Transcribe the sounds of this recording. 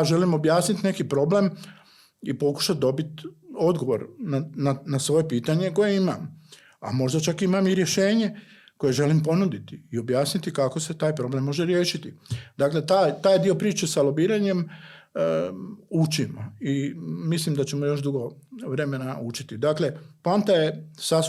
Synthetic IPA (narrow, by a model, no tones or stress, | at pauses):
ʒe̞limo̞bjaːsnit̪ne̞kipɾo̞blem | ipo̞ku̥ʃat̪̚d̪o̞bit̪o̞d̪ɡo̞ʋo̞̰ɾnananasʋo̞je̞piːt̪aɲe̞ko̞je̞imam | a̰mo̞ʒd̪at͡ʃakimamiɾjeʃe̞ːɲe̞ | ko̞je̞ʒe̞limpo̞nud̪it̪iio̞bjaːsnit̪ikakose̞t̪aːjpɾoblemːo̞ʒeɾjeːʃit̪id̪akle̞t̪aːjt̪aːjd̪io̞pɾiːt͡ʃesalobiːɾaɲe̞m | ut͡ʃimo̰imislimd̪at͡ɕe̞mojo̞ʃd̪uɡo̞ʋɾe̞me̞naut͡ʃi̥t̪id̪akle̞pant̪ajesa